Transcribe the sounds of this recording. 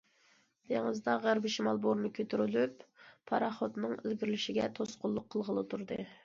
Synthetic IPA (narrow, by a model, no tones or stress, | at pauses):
d̪̥eŋəzd̪ɑʁæɾbɪʃimɑlˠboɾnɨkʲʰøt̪ʰyɾylypːʰɑɾɑχot̪nɨŋɪ̰lɡʲiɾlɪʃiɡʲɛt̪ʰosqʊlˠːʊqʰːəlˠʁəlˠɨt̪ʰuɾd̪ɨ̰